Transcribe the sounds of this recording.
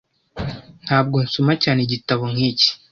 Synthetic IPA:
n̥haːb̚ɡo̞nsumacaːneɟitaβoŋiːci̥

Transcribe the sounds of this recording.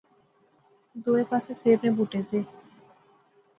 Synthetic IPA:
d̪oepasesebnebuʈed͡ʑe

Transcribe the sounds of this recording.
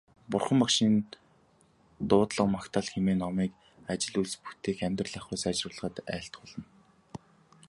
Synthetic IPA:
pʊrχə̆mpakʃiːn | t̪ʊːt̪ɮə̆qmakt̪ʰaːɮxemeːnɔmiːk | at͡ɕɪ̆ɮuɮspu̥t̪ʰeːxæmʲt̪rə̆ɮæχʊːsat͡ɕrʊːɮə̆ʁə̆t̪æ̰ːɬt̪χʊɮə̆n

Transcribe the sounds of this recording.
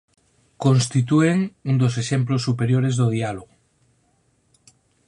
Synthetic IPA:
konst̪it̪̬ueŋund̪os̬eʃemplosːupeɾjoɾezðoðialoɣo

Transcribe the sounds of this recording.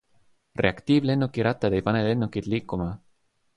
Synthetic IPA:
reakt̪iβlenokiɾat̪ːad̪ejpanelenokit̪likoma

